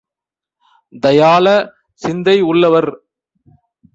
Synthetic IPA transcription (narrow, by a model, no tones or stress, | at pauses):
d̪ɐjaːlɐ | sɪnd̪ɐɪʊɭːɐʋɐɾ